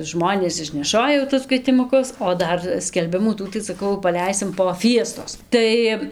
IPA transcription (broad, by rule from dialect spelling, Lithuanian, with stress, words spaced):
ˈʒmoːnʲeːs ɪʃʲnʲɛˈʃoːjɛ jɛʊ tʊs kʋʲiɛtʲɪmʊˈkʊs oː ˈdɐr sʲkʲɛlʲˈbʲɪmuː ˈtuː sɐˈkɐʊ pɐˈlʲɛɪsʲɪm poː ˈfʲiɛstoːs ˈtɐɪ